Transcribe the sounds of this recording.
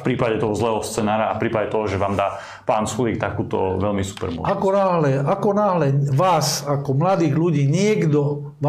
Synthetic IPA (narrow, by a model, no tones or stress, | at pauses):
fpɾiːpaɟɛt̪ɔɦɔzlɛːɦɔst͡sɛːnaːɾaafpɾiːpaɟɛt̪ɔɦɔʒɛʋaːmd̪aː | paːnsxuliːkt̪akuːt̪ɔ̰ʋɛlmisu̥pɛ̰ɾmɔ̰akɔnaɦlɛakɔnaːɦlɛʋaːsakɔmlad̪iːɣluɟiːɲɪɛɡd̪ɔ | ʋ